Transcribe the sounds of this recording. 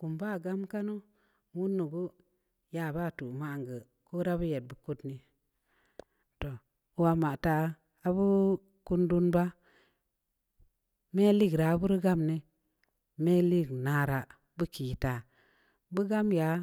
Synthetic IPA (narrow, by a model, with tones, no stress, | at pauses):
ku˨mba˦˨ɡa˦mka˦no˦ | wu˦nːu˨ɡu˦ | ja˨ba˦˨tu˨ma˨ŋɡə˨ | ko˦ɾa˦bu˦je˨t̚bu˨ku˦tni˦ | to˨ | wa˧ma˨ta˨˦ | a˨bu˦ | ku˦ndu˦nba˦ | me˦li˦ɡɾa˨˦bu˦ɾi˦ɡa˦mne˦ | me˦li˦˨ɡna˨˦ɾa˨ | bɨ˦ki˨ta˨ | bu˦ɡa˦mja˨˦